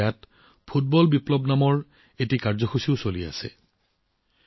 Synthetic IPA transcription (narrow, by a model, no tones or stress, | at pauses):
jat | pʰut̚bɔlbiplɔbnamɔɹ | etikaɹzɔxusiʊsolia̰sɛ̰